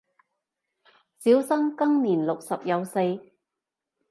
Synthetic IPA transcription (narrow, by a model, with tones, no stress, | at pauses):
siː˨˥wsɐ˥ŋkɐ˥ŋniː˨˩nlʊ˨k̚sɐ˨p̚jɐ˨˧wse˧j